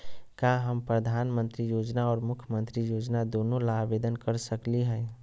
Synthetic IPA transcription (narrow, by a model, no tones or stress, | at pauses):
kaɦəmpɾəd̪ʱaːnmənt̪ɾijod͡ʒnaɔːɾmʊkʰjəmə̃nt̪ɾijod͡ʒnad̪onõlabed̪ənkəɾsəkliɦɛ̃